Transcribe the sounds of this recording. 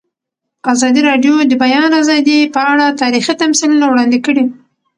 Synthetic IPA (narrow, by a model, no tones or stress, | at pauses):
azɑd̪iɾɑɖjod̪əbajɑnazɑd̪ipəaɽat̪ɑɾixit̪amsilunawɽɑnd̪ikəɽi